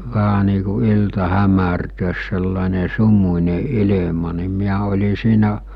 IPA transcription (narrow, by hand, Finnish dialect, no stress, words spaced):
ʋæhæ niː ku iltɑ hæmærtøːs selːɑˑene sumunʲe ile̝mɑ ni miæ olʲi siːnæ